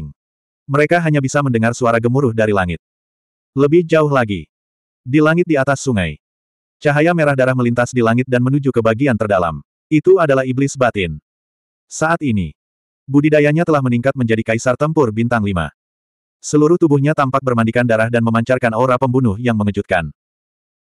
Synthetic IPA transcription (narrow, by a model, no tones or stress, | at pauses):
ŋ | məɾekaɦaɲabisaməndəŋarsuaɾaɡəmuɾʊhdaɾilaŋɪt̪̚ | ləbɪhd͡ʒaʊɦlaɡi | dilaŋɪt̪̚diat̪asːuŋaj | t͡ʃaɦajameɾahdaɾahməlint̪asdilaŋɪt̪̚danmənud͡ʒukəbaɡiant̪ərdala̰m | it̪uadalahiblɪsbat̪ɪn | saʔat̪inḭ | budidajaɲat̪əlahməniŋkat̪̚məɲd͡ʒadikaisart̪əmpʊrbint̪aŋlima̰ | səluɾʊht̪ubuhɲat̪ampak̚bərmandikandaɾahdanməmaɲt͡ʃarkanoɾapəmbunʊhjaŋməŋəd͡ʒut̪̚ka̰n